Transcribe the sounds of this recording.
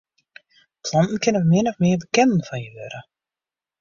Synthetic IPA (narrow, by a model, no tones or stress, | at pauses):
pʰlɔntn̩kʰɪnəmɪnɔfmɪːbəkɛnənfɔnjəʋøɾə